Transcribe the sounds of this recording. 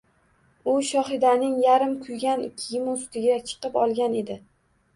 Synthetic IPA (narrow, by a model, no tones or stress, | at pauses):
ʊʃɒχɪd̪anɪŋjaɾɪmkʰʊjɡʲanɪkʲʰjɪmost̪ɪɡʲat͡ʃʰɨ̥qɨpɒlˠɡʲane̞d̪ɪ